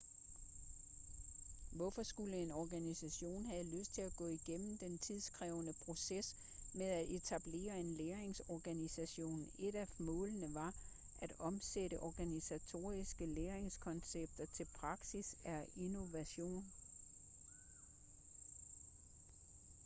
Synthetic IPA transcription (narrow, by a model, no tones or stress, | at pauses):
ʋɒfɒ̽sɡ̥uləe̝nɒɡ̥ænisæɕo̝̰ːnhæð̩ˠløsd̥̚t͡sʰe̝læɡ̥ɔ̰̽ːiɡ̥em̰m̩d̥ent͡sʰið̞ˠsɡ̥ʁɛːʊnəpʰʁo̝ses | meðˠæe̝t͡sʰæb̥le̝̰ːɐe̝nleːɐeŋsɒɡ̥ænisæɕo̝̰ːnn̩e̝d̥æmɔ̽ːlənəʋɑ̈ | ʔæd̥ɒ̽mseɾəʔɒɡ̥ænisæt͡sʰo̝̰ːɐisɡ̥əleːɐeŋskʰɒ̽nseb̥̚d̥ɐt͡sʰe̝lpʰʁɑ̈ɡ̥sisæino̝ʋæɕo̝̰ːn